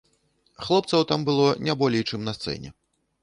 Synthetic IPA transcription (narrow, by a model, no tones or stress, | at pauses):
xlˠɔp̚t̪sɐwt̪ambɨlˠɔnʲabɔlʲɛjt͡ʂɨmnɐst̪sɛ̰nʲɛ̰